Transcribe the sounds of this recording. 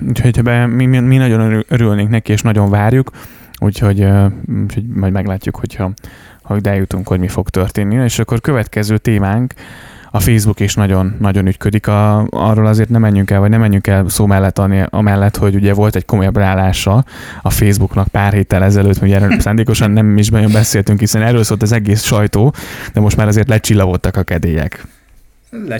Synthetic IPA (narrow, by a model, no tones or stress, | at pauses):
uːcʰho̞chbɛmimminɒɟo̞nʔøɾylneːŋknɛkieːʃnɒɟo̞ɱvaːrjuk | ṵːcho̞ɟøuːcho̞ɟmɒjdmɛɡlaːcːukho̞chɒ | hoɟd̪ɛjut̪uŋkho̞ɟmifo̞ɡt̪ørt̪eːnːieːʃɒkːo̞rkø̞vɛt̪kɛzøːt̪eːmaːŋk | ɒfeːzbukeʃnɒɟo̞nːɒɟo̞nyt̪kø̞d̪ikɒɒ̰rːoːlɒzeːrt̪nɛmɛɲːyŋkɛlvɒɟnɛmːɛɲːyŋkɛlsoːmɛlːɛt̪ːɒniʔɒ̰mɛlːɛt̪ho̞ɟuɟɛvo̞lt̪ɛcko̞mo̞jɒbraːlaːʃɒ | ɒfeːzbuknɒk̚paːrɦeːt̪ːɛlɛzɛløːt̪miuɟɛɾɛsaːnd̪eːko̞ʃɒnːɛmiʒbɛnjombɛseːlt̪yŋkhisɛnɛrːøːlsoːlt̪ɒzɛɡeːsʃɒjt̪oːd̪̥ɛmo̞ʃt̪maːɾɒzeːrt̪lɛt͡ʃilːɒɡo̞t̪ːɒkɒkɛd̪eːjɛ̰k